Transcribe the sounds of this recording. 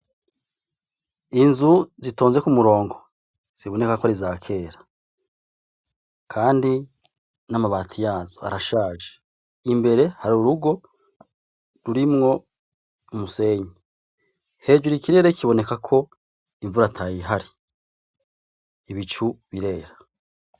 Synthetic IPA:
inzuzito̞ːnze̞kumuɾo̞ːŋɡo̞ | z̥iβo̞ne̞kakoaɾizaːkʰe̞ːɾa | kʰaːndi | namaβaːtʰijaːzoa̰ɾaʃaːʒe | imbe̞ɾe̞haɾuɾuɡo̞ | ɾuɾimŋo̞ | umuse̞ːɲi | he̞ːd͡ʒuɾikiɾe̞ːɾekiβo̞ne̞kakʰo̞ | iɱvuɾatʰajiɦaɾi | iβit͡ʃuβiɾe̞ːɾa

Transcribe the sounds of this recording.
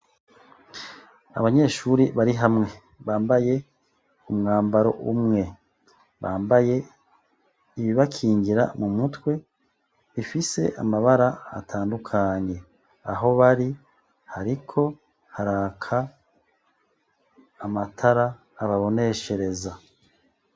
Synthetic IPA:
a̰βaɲe̞ːʃuɾiβaɾiɦamŋe̞ | βaːmbaje̞ | umŋaːmbaɾo̞̰ʔṵmŋe̞ | βaːmbaje̞ | iβiβakʰiːŋɡiɾa̰mumutwe̞ | βifise̞̰ʔa̰maβaɾa̰ːtʰaːndukʰaɲe̞ | a̰ɦo̞βaɾi | haɾikʰo̞ | haɾaːkʰa | matʰaɾaː | βaβo̞ne̞ʃe̞ɾe̞za

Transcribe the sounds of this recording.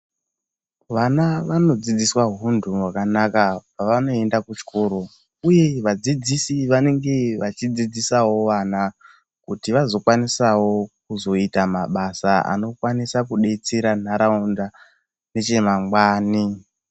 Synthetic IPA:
ʋanaʋano̞d͡zid͡ziswaɦundʱuwakanakapaʋano̞e̞ndakut͡ʃkoːɾo̞ | uje̞ʋad͡zid͡zisiʋane̞ŋɡe̞ʋat͡ʃid͡zid͡zisawo̞ʋana | kutiʋazo̞kwanisawo̞kuzo̞itamaɓasaa̰no̞kwanisakuɗe̞t͡seɾan̤aɾaunda | ne̞t͡ʃe̞maŋɡwaːni

